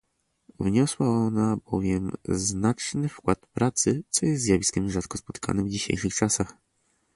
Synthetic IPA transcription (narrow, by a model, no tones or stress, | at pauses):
vɲɔswaɔnabɔvʲjɛmznat͡ʂnɘfkwat̪pɾʔat̪sɘt̪sɔjɛst̪zjavʲiskʲɛmʐat̪kɔspɔt̪kʰa̰nɘvd͡ʑiɕḛjʂɨxt͡ʂasax